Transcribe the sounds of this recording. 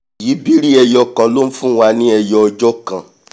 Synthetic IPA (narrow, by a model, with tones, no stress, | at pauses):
ji˨˦bi˦ɾi˦ɛ˧jɔ˧kã˨lo˦n̩˦fũ˦w̃a˧nĩ˦ɛ˧jɔ˧ɔ˧d͡ʒɔ˦kã˨